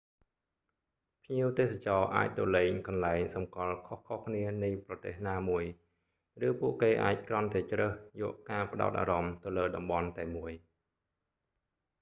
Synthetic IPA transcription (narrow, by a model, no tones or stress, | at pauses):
pʰɲiəwt̪eːs̬at͡ɕɑːʔa̰ːc̚t̪oːlɛːŋkɑnlaɛŋsɑmkɑlkʰohkʰohkʰniənɨjprɑt̪eːhnaːmuəj | rɨːpuəʔkeːʔa̰ːc̚krŏnt̪aɛt͡ɕrəːhjɔ̰ːəʔkaːpə̆ɗa̰ɔt̪̚ʔa̰ːɾɑmt̪ɨwləːɗɑmɓɑnt̪aɛmuəj